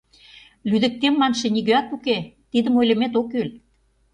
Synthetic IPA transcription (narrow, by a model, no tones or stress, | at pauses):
lyd̪ə̆k̚t̪emːɑnʃĕnʲiɣøɑt̪̚uket̪id̪ə̆mojlʲĕmet̪okyl